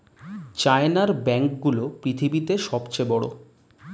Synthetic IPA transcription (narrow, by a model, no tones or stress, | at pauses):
t͡ɕaenaɾbɛŋk̚ɡulopɾit̪ʰibit̪eʃɔbt͡ɕebɔɽo̰